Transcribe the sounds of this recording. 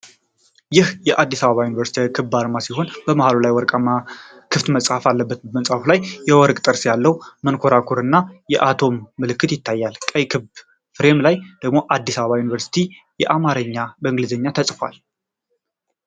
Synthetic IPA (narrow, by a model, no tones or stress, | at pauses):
jɪhjɛʔad̪ːisaβəβajunivəɾsit̪ʰekʰɨbːaɾmasiɦo̞nbəmahalolajwɔɾkʼma | kʰɨft̪məsʼhafalːəbːət̪məsʼhafulajjɛwɔɾkʼt̪ʼəɾsjalːəwmənkʰo̞ɾakʰuɾɨnːajɛʔat̪ʰo̞mːɨlɨkːɨt̪jɪt̪ːajːalkʼəjkʰɨb | fɾe̞mlajd̪̥əɡmo̞ʔad̪ːisaβəβajunivəɾsi̥t̪ʰi | jɛʔamaɾəɲːabəɨŋɡlizəɲːat̪ʰəsʼfwa̰l